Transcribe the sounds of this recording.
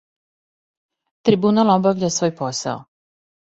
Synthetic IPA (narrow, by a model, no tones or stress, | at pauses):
t̪ɾibunalobaʋʎʲasʋo̞ːjposa̰o